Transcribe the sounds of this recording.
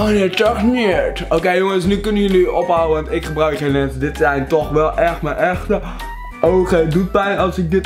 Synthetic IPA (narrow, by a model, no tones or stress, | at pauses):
onetɔχmiɹtoːkejjoŋəsnykʏnəjənyʔɔpɦawəʋɑntɪkχəbrœɥkχenmɛnsədɪtsɛjntɔχʋɛlˠʔɛχtmənʔɛχtə | owχədut̚mɛjɑlˠsɪk̚dɪt